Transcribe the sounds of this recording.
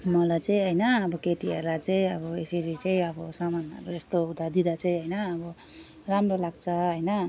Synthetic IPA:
mʌlajt͡sʌj̃ɦʌjnʌːbʌkeʈiʌɾlajt͡sʌj̃ʌbʌesʌɾit͡sʌĩʌbʌsamanʌ̰ɾuest̪oud̪ad̪id̪at͡sʌ̃j̃ɦʌjnʌːbʌ | ramrolaɡ̚t͡sʰʌɦʌjnʌ

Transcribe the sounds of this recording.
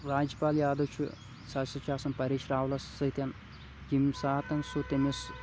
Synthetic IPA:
ɾaːd͡ʒɐpaːlijaːd̪ɐt͡ʃʰṵ | sɐsɐt͡ʃaːsɐmpɐɾiːʃɾaːʋlɐsɐt̪jɐn | kimsaːt̪ɐnsut̪emes

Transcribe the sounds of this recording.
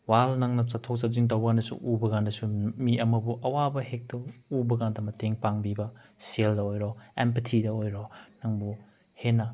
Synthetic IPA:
walnɐŋnɐt͡ʃɐtʰːok̚sap̚ziŋt̬ɐwbɐɡandɐsṵʔubɐɡandɐsumiɐmɐbuʔɐwabɐhek̚tɐubɐɡandɐmɐteŋpaŋbibɐ | seldɐojɾoempɐtʰidɐojɾonɐŋbu | henɐ

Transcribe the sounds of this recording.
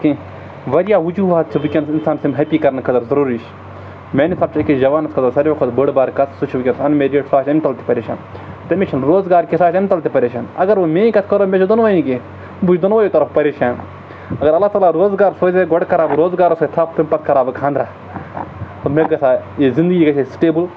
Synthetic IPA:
ki | ʋɐɾjaːʋud͡ʒuːʋaːt̪t͡ʃʰɐʋɨkʲɐnsinsaːnsimɦɐpiːkɐɾnkʰɐt̪ɐɾzɐɾuːɾiːʃ | mʲeːnisʰɐb̚t͡ʃʰɐkid͡ʒɐʋaːnɐskʰɐt̪ɐɾsɐɾʲokʰot̪bəɽbaːɾkɐt̪ʰsut͡ʃʰʋɨkʲɐnsɐnmeɾeʈsaːʃɐnt̪ɐlt̪i̥pɐɾeːʃa̰ːn | t̪ɐmet͡ʃʰɐnɾoːzɡaːɾkisaːʃɐnt̪ɐlt̪ipɐɾʲeːʃaːnɐɡɐɾʋomẽːĩkɐt̪ʰkɐɾoːmet͡ʃʰod̪ɐnʋɐːjĩke | but͡ʃʰd̪ɐnʋoːjot̪ɐɾɐfpɐɾeːʃaːn | ɐɡɐɾɐlːaːt̪aːlaːɾoːzɡaːɾsoːzeɡɔɽkɐɾaːbɾoːzɡaːɾɐsot̪ʰɐfpɐmpɐt̪̚ʰkɐɾaːbɐkʰãːnd̪ɾaː | t̪omeɡɐsaːjezind̪ɨɡiːɡɐt͡ʃʰesʈeːbɨl

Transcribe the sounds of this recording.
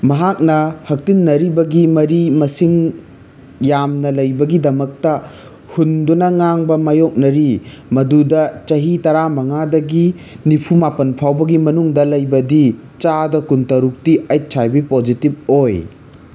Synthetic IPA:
mɐɦak̚nɐhɐk̚tinːɐɾibɐɡimɐɾimɐsiŋ | jamnɐlɐjbɐɡidɐmɐk̚tɐ | hundunɐŋaŋbɐmajok̚nɐɾi | mɐdudɐt͡ʃɐɦitɐɾamɐŋadɐɡi | nipʰumapɐnpʰawbɐɡimɐnuŋdɐlɐjbɐdi | t͡ʃadɐkuntɐɾuk̚tiɐjt̚t͡ʃʰajbipod͡ʒitib̚oj

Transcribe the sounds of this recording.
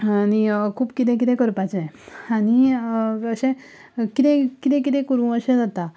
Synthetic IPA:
anikʰuːpkit̪ɛ̃k̬it̪ɛ̃kəɾpat͡seani | əɕẽ | kit̪ɛ̃kit̪ɛ̃k̬it̪ɛ̃kəɾũəɕɛ̃d͡zat̪a

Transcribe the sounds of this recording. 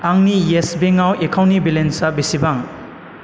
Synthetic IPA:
aŋnijesbeŋawekʰawnibilensabisibaŋ

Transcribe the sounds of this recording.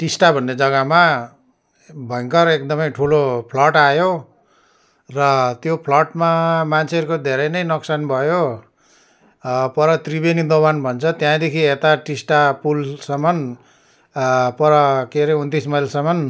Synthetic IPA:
ʈisʈabʱʌnːed͡zʌɡʌma | bʱʌjŋkʌɾekd̪ʌmʌjʈʰulopʰlʌʈajo | rʌt̪jopʰlʌʈmamant͡sʰeʌɾukod̪ʱeɾʌjnʌjnʌksanbʱʌjo | pʌɾʌt̪ribenid̪oβanbʱʌnt͡sʰʌt̪jãd̪ekʰiet̪aʈisʈapulsʌmʌn | pʌɾʌkeɾeunt̪ismʌjlsʌmʌn

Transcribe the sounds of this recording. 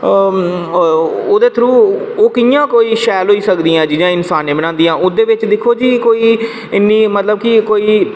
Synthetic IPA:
oːd̪eːt̪ʰɾuːoːkɪjãːkoːiːʃɛːlɦoːiːsəkd̪iːãːd͡ʒiːd͡ʒãːɪnsaːnẽːbəɽ̃ãːnd̪ijãːʔʊsd̪eːʋɪt͡ʃd̪ɪkʰoːd͡ʒiːkoːiː | ɪnːĩːmət̪ləb̚kɪkoːiː

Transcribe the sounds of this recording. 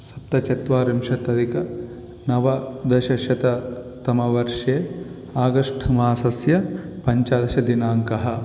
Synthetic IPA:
sɐ̥pt̪ːɐt͡ʃɐt̪ʋaːɾimʃɐt̪ɐd̪ikɐ | nɐʋɐd̪ɐʃɐʃɐt̪ɐ | t̪ɐmɐʋɐɾʂeː | aːɡɐʂʈʰɐmaːsɐsjɐpɐɲt͡ʃaːd̪ɐʃɐd̪inaːŋkɐɦɐ̆

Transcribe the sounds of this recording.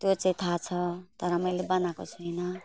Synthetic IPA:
t̪jot͡sʌĩt̪ʰat͡sʰʌt̪ʌɾʌmʌjlebʌnako̰t͡sʰuɦʌjnʌ

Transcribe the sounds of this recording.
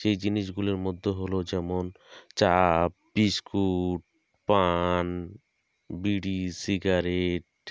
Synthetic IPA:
ʃejd͡ʑiniʃɡuloɾmod̪ʱːoɦolod͡ʑɛmont͡ɕap̚biskuʈ̚ | pan | biɖisiɡaɾeʈ̚

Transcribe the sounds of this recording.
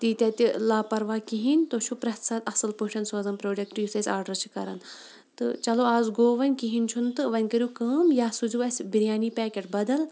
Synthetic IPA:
t̪iːt̪ʲɐt̪ʲilaːpɐɾʋaːkiɦinʲt̪oːt͡ʃʰupɾɐɦt̪ʰsɐt̪ɐsɨlpuʃʰʲɐnsoːzɐmpɾoːɖʲɐk̚ʈiːsɐsʲaːɾɖɐɾt͡ʃʰi̥kɐɾɐ̰n | t̪ɨ̰t͡ʃɐloːaːzɡoːʋɐnʲkiɦinʲt͡ʃʰunt̪ɨʋɐnʲkɐɾʲjuːkəːmjaːsuzuʋɐsʲbiɾjaːniːpɛːkʲeʈbɐd̪ɐl

